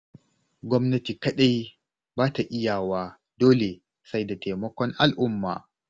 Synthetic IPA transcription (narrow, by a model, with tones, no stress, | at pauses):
ɡʷɔ˦mnɐ˦ti˨kɐ˦ɗa˦j | baː˦ta˨ʔɪ˦jaː˨waː˦ | doː˦le˨ | sa˦jda˨te˨mɐ˦kʷɔ˦ŋʔa˨lʔʊ˦mːa̰ː˨